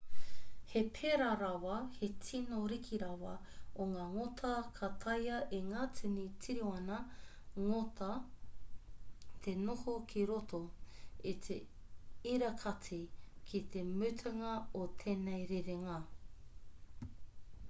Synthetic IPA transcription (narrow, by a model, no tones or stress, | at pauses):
hepʰeɾaɾɐwɐhetʰinoɾikʰiɾɐwɐ | oŋaːŋotʰɐkʰat̪ʰɐjɐʔeŋaːt͡sʉnit͡siɾioɐnɐ | ŋotʰɐ | t̪ʰenohokʰiɾot̪ʰoit̪ʰe | iɾɐkʰat͡sʰikʰit̪ʰemʉtʰɐŋɐot̪ʰenejɾeɾeŋɐ